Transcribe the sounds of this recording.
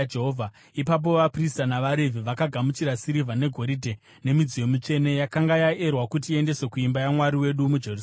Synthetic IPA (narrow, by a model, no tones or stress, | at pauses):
d͡ʒeɦovʱa | ipap̬o̞ʋapristanaʋaɾevʱiʋakaɡʱamut͡ʃiɾasiɾivʱane̞ɡʱo̞ɾidʱe | ne̞mid͡zijo̞mit͡ʂe̞ne̞jakaŋɡajaerwakutie̞nde̞sekuimbajamwaɾiwe̞ɗumud͡ʒe̞rus